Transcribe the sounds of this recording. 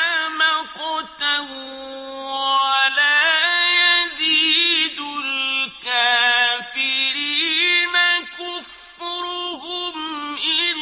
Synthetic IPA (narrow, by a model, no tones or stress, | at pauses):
maqʊt̪aw | walaːjaziːd̪ʊlkaːfɪɾiːnakʊfːɪɾʊɦʊmʔɪl